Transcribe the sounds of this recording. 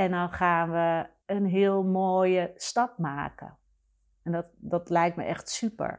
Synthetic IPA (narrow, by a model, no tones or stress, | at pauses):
ɛndɔnxaːnʋə | ənɦɪəlˠmoːjəstɑp̚maːkə̰ | ɛndɔtdɔtlɛjk̚tmə̰ʔɛxtsypə̰ɹ